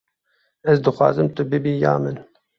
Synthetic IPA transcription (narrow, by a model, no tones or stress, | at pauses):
ɛzd̪ɨxʷwɑ̰ːzɨmt̪ɨbɨbiːjɑ̰ːmɨn